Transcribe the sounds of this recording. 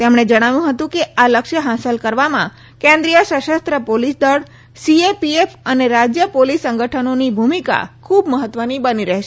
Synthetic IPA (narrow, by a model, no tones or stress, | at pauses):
t̪emɽ̃ed͡ʒəɽ̃aʋjũɦət̪ũkealəkʃəɦasəlkəɾʋamã | kẽnd̪ɾijəʃəʃəst̪ɾəpolisd̪əɭ | siepiefəneɾad͡ʒjəpolisə̃ŋɡəʈʰənonibʱumika̰kʰubməɦət̪ʋənibəniɾɛɦʃe